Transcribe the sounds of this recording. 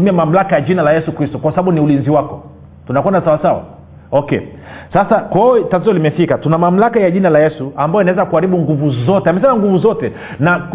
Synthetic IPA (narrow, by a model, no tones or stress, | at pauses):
miamam̩lakajaʄinalajɛsukɾistɔkwasaaɓuniulinziwakɔ | tunakwɛndasawasawa̰ | ɔkɛ̰ | sasakwaɛtat̬izɔlimɛfikatunamam̩lakajaʄinalajɛsuambajɔinawɛzakuaɾiɓuŋɡuvuzɔtɛamɛsanaŋɡuvuzɔtɛ | na